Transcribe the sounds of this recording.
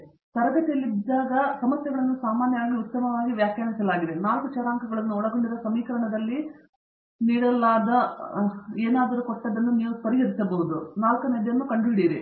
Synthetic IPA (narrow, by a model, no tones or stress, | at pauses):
t̪ɐɾɐɡɐt̪ijɐlːid̪ːaːɡɐsɐmɐsjɐɡɐɭɐnːusaːmaːnjɐʋaːɡiut̪ːɐmɐʋaːɡiʋjaːkjaːmisɐlaːɡid̪e̞naːlkut͡ʃɐɾaːŋkɐɡɐɭɐnːuɔɭɐɡo̞ɳɖiɾɐsɐmiːkɐɾɐɳɐd̪ɐlːi | niːɽɐlːaːd̪ɐ | eːnaːd̪ɐɾukoʈːɐd̪ːɐnːuniːʋuspɐɾijɐd̪isɐboʋud̪unaːlkɐned̪jɐnːukɐɳɖuiɽiːɾi